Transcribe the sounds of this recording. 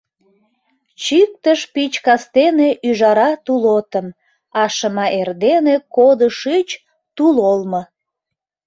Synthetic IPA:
t͡ɕyk̚t̪əʃpit͡ɕkɑst̪eneʔyʒɑɾɑt̪ulot̪əm | ɑʃəmɑʔerd̪enekod̪əʃit͡ɕ | t̪ulolmə

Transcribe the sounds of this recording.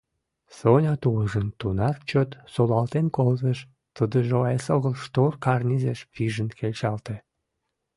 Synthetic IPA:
sonʲɑt̪uləʒənt̪unɑrt͡ɕøt̪solɑlt̪enkolveʃ | t̪əd̪əʒeoesoɣəlʃt̪orkɑrnʲizeʃpiʒənkʰelʲt͡ɕɑlt̪ĕ

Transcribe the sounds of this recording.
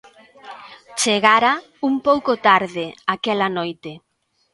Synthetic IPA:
t͡ʃeɣaɾa | umpowkot̪aɾðeakɛlanojt̪e

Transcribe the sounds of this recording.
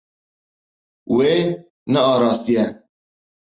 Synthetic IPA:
we | nɛɑːɾɑːst̪ijɛ

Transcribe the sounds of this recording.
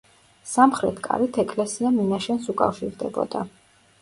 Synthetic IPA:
samχɾɛt̪ʰkʼa̰ɾit̪ʰɛkʼlɛsiaminaʃɛnsukʼa̰fʃiɾd̪ɛ̰bɔ̰d̪a

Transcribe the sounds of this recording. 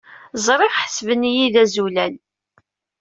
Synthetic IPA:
zˤɾˤɪʁħəsvənijiðæzulæn

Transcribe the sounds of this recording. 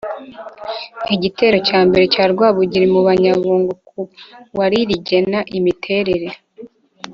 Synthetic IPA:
iɟite̞ːɾo̞caːmbe̞ɾe̞caːɾɡwaːβuɟiɾimuβaɲaβuːŋɡukʰuwaɾiɾiɟe̞naʔimitʰe̞ːɾe̞ɾe̞

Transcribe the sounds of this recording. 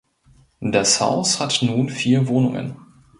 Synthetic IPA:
dasha̰ʊshatnuːnfiːɐvoːnʊŋə̰n

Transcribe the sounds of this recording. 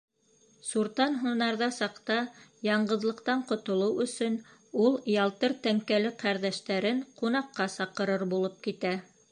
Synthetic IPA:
suɾt̪ɑnɦunɑɾðɑsɑqt̪ɑjɑɴɢɤ̆ðlˠɤ̆qt̪ɑɴqŏt̪ŏlˠɤwɵ̆sɵnulˠjɑlˠt̪ɤɾt̪æŋkælɘqæɾðæʃt̪æɾɘɴqunɑqːɑsɑqɤ̆ɾɤɾbulˠop̚kit̪æ

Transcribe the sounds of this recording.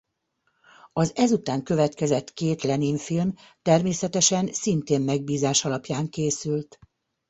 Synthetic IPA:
ɒzɛzut̪aːŋkø̞vɛt̪kɛzɛt̪keːt̪lɛniɱfilm | t̪ɛrmeːsɛt̪ɛʃɛnsint̪eːmmɛɡ̚biːzaːʃɒlɒpjaːŋkeːsylt̪

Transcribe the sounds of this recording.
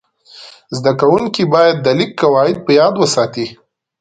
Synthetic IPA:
zd̪akawuŋkibɑjad̪̚ːəlɪkːawɑɪd̪̚pəjɑd̪wəsɑt̪i

